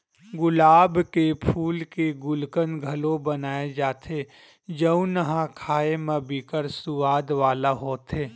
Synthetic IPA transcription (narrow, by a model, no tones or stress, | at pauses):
ɡʊlaːbkepʰuːlkeɡʊlkənɡʱɐlõbɐnaːed͡ʒaːt̪ʰe | d͡ʒəũnəɦãkʰaːemə̃bikəɾsʊʋaːd̪ʋaːlaɦoːt̪ʰeː